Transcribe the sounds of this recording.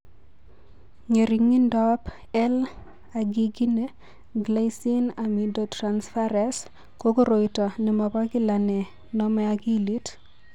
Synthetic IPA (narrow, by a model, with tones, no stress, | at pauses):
ɲe˨ɾi˨ŋi˦ndɔ˦p | ɛ˦l | a˨ɡi˦ɡi˦ne˦ | ɡla˦si˦na˨mi˨dɔtɾansfa˦ɾɛ˦s | ko˦ko˦ɾo˨jtɔ˨nɛ˨ma˨ba˦kɪ˦la˨nɛ˨ | nɔ˦mɛ˦a˨ɡi˦li˦t